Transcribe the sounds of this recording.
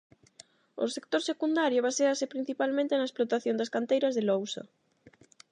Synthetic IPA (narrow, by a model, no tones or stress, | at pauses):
ʊ̰sek̚t̪oɾsekund̪aɾjoβ̞aseasɪpɾin̟θipalmẽnt̪enɐesplot̪aθjõnd̪ɐskant̪ejɾɐzðelowsɐ̰